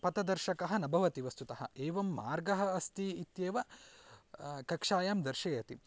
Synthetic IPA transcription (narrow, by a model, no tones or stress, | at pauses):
pɐt̪ɐd̪ɐɾʃɐkɐɦɐ̆nɐbʱɐʋɐt̪iʋɐst̪ut̪ɐɦɐ̰̆eːʋɐmːaːɾɡɐɦɐ̆ɐst̪iit̪jeːʋɐ | kɐkʂaːjaːmd̪ɐɾʃɐjɐt̪i